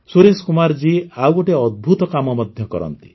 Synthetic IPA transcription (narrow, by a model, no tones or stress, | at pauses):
suɾeskumaɾd͡ʒiawkoʈeɔd̪̚bʱut̪ɔkamɔmɔd̪ʱjɔkɔɾɔ̰nt̪i̥